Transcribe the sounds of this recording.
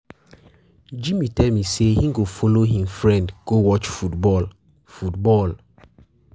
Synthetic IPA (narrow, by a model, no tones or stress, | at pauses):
d͡ʒĩmitɛlmisehĩŋɡofoloɦĩmfɹɛ̃ndɡ̥owɔt͡ʃfutbɔl | futbɔl